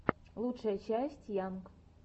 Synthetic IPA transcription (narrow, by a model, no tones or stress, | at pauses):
lˠutʂəjət͡ɕæsʲtʲjamk